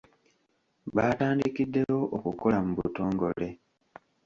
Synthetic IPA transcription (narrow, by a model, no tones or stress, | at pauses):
βaːtaːndikidːe̞jo̞ʔokuko̞lamuβuto̞ːŋɡo̞̰le̞